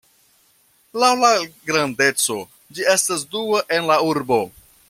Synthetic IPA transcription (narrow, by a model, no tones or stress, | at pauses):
lawlaɡɾande̞t͡so̞ | d͡ʒie̞stasduaʔe̞nlauɾbo̞